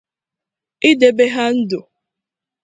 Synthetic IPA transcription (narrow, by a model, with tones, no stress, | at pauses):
i˦de˨be˦ɦa˦n̩˦do˨